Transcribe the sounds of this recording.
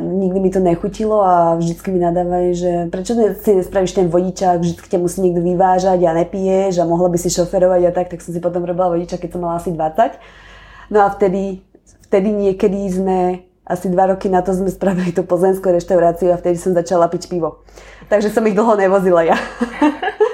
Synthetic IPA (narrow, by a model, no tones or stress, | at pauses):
ɲiɡ̚d̪imit̪ɔɲɛxucilɔavʒd̪it͡skiminad̪aːʋajʒɛpɾɛt͡ʃɔzɛsiɲɛspɾaʋiʃt̪ɛnʋɔɟit͡ʃaɣvʒd̪it͡ski̥camusiːɲɪɛɡ̚d̪ɔʋiʋaːʒaɟanɛpijɛʒamɔɦlabisiʃɔfɛɾɔʋaɟat̪ak̚t̪aksɔmsipɔt̪ɔmuɾɔbilaʋɔɟit͡ʃakɛcsɔmːalaasid̪ʋat͡sac | nɔaft̪ɛd̪i | ft̪ɛd̪iɲɪɛkɛd̪izmɛ | ʔasid̪ʋaɾɔkinat̪ɔzmɛspɾaʋilit̪upɔzlɛnskuɾɛʃt̪aʊɾaːt͡siuaft̪ɛd̪isɔmzat͡ʃalapicpiʋɔ | t̪aɡʒɛsɔmiɣd̪l̩ˠɦɔnɛʋɔzilaja